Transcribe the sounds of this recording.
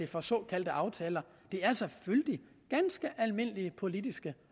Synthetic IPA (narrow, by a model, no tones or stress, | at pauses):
e̝fɒ̽sɔ̰ːkʰæl̰d̥əʔɑ̈ʊt͡sʰɛːlɐ | d̥e̝æɐsɒ̽føld̥i | ɡ̥ænsɡ̥əʔælme̝n̰əliəpʰo̝lid̥isɡ̥ə